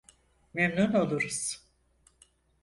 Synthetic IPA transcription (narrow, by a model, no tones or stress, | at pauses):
memnuno̞lˠuɾuz̥